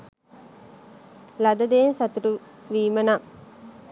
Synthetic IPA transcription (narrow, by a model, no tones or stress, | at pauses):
lad̪ɐd̪ejːnsat̪uɾuʋiːməna